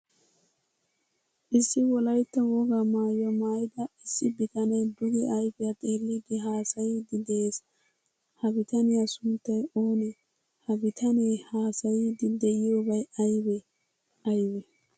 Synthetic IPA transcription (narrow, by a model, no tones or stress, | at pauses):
ʔɪsːɪwɔlɐjt̪ːɐwɔɡamaːjɐmaːjɪd̪ɐɪsːɪbɪkʼɐnɐjd̪ʊɡɛʔɐjbɪjat̪ʼeːlːɪɡɪɦaːsɐjid̪ɪd̪eːs | hɐbɪt̪ɐnɪjasʊnt̪ːɐjoːnɛ | hɐbɪt̪ʰɐnehaːsɐjid̪ɪd̪ɛjɪjoːbɐjɐjbɛ | ɐjwɛ